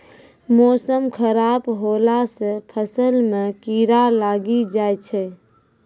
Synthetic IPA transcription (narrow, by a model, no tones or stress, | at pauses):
mɔːsəmkʰəɾaːbɦoːlasepʰəsəlmẽkiːɾalaːɡid͡ʒaːjt͡ʃʰɛ